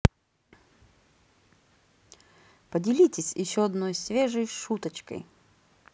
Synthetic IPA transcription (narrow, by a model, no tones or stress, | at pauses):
pədʲɪlʲitʲɪsʲjɪɕːoɐd̪nojsvʲeʐəjʂut̪ət͡ɕkə̰j